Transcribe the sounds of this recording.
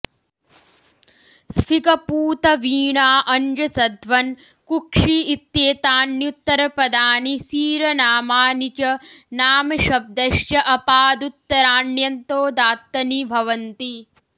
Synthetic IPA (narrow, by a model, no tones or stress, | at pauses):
sfʰikɐpuːt̪ɐʋiːɳaːʔɐnd͡ʒɐsɐd̪ʱʋɐn | kukʂiit̪jeːt̪aːnːjut̪ːɐɾɐpɐd̪aːnisiːɾɐnaːmaːnit͡ʃɐnaːmɐʃɐb̚d̪ɐʃjɐʔɐpaːd̪ut̪ːɐɾaːɳjɐnt̪oːd̪aːt̪ːɐnibʱɐʋɐnt̪i